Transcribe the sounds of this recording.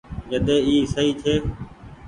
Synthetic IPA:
d͡ʒəd̪eːiːsəɦiːt͡ʃ̪ʰeː

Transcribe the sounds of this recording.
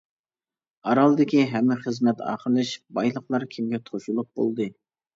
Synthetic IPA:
ɑɾɑlˠd̪ɪkʲiɦɛmːɪχəzmɛt̪ʰɑ̰ːχəɾlˠɨʃbɑjlˠəqlˠɑɾkʲʰimɡʲɛt̪ʰoʃulˠʊq̚bo̰lˠd̪ɨ

